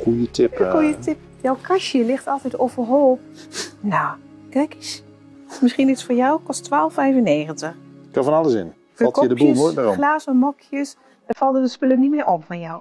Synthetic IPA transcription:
kujətɪpkujətɪp | jɔwkʰaʃjəlɪxtɑlˠtɛjtowvərɦolˠp̚ | na | kɛkis | mɪsχinitsfoːɹjawkɔstʋaːlˠfɛjvənːeːɣəntəxkafɔnalˠəsɪ̰n | fɔlˠtkədəbusoəxlaːzəmɔkʰjəs | dəfɑlˠtəəspølənimɪːʔɔpfɔnjɔw

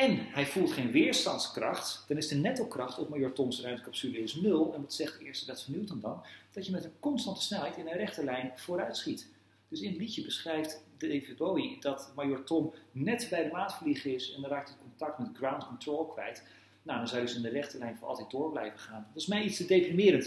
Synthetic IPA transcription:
ɛnɦɛjvulˠtχejnʋɪːɹstɑntskrɑχtd̥ɑnɪsdənɛtəlˠkrɑχtɔfmajʊːɹtɔmsrœɥmtəkɑpsyləɪsnɵlˠɛnʋɑtsɛχtəɪːɹstədɛtfəɹniwtəndɑnd̥ɑtjəmɛtənkɔnstɑntə̥snɛlˠɦɛjtɪnərɛχtəlɛjnv̥oːɾœɥtsχit | d̥ɵsɪnətlicəbəsχrɛjftdəevebojdɑtmajʊːɹtɔmnɛtbɛjdəmaːtfəliχəɪsɛndɑraːk̚tətkɔntɑk̚tmɛtɡrawntkɔntrolˠkʋɛ̰jt | nandɑnzɑjdəsɪndərɛχtəlɛjnfnʔɑ̰lˠtɛjt̚dʊːɹblɛjvəχaːntɪsmɛjitstədejprimɪːɾənt

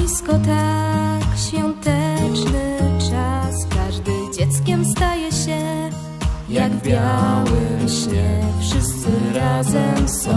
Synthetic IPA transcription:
iskɔt̪akɕfʲjɔnt̪ɛt͡ʂnɘt͡ʂaskaʐd̪ɘd͡ʑɛt̪skʲɛmst̪ajɛɕɛ | jaɡbʲjawɘɕɲʲɛfʂɘst̪sɘɾazɛmsɔ

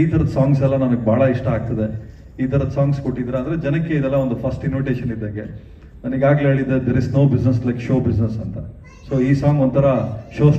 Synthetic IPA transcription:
iːt̪ʰɐɾɐd̪saːŋɡs̬ɛlːɐnɐnɐɡebʱaːɭɐiʂʈɐaːɡ̚t̪ɐd̪e | iːt̪ʰɐɾɐd̪saːŋɡsko̞ʈːid̪iɾeaːnd̪ɾed͡ʒɐnɐkːeid̪ɛlːɐo̞nd̪upʰɐsʈinʋiʈe̞ːʃɐnid̪ːaːɡḛ | nɐniɡaːɡleɦeːɭid̪ːed̪eɾisnoːbid͡ʒnes̬lɐjkʃoːbid͡ʒnesɐnt̪ɐ | soːiːsaːŋont̪ʰːɐɾɐʃoː

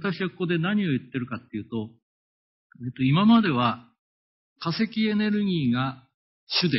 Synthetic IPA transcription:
t̪akɕiβakoko̞d̪e̞naɲ̟io̞jɯ̟t̪ːe̞ɾɯ̟kat̪ːe̞iɯ̟ːt̪o̞ | eːt̪o̞imamad̪e̞β̞a | kase̞kʲie̞ne̞ɾɯ̟ɡʲiːɡa | ɕɨd̪e

